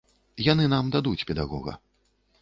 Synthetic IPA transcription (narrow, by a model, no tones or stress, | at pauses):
janɨnamd̪ad̪ut͡sʲpʲɛd̪aɣɔ̰ɣɐ̰